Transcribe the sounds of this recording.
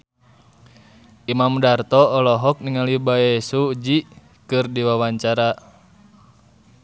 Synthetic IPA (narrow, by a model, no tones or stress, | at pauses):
ʔimamdart̪ɔːlɔɦɔk̚niŋalibaɛsud͡ʒi | kɨrdiwawaɲt͡ʃaɾa